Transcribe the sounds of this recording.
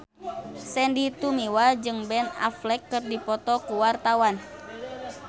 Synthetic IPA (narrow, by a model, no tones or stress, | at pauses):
sɛndit̪umiwad͡ʒɨŋbɛna̰flɛkːɨrdipɔt̪ɔkuwart̪awan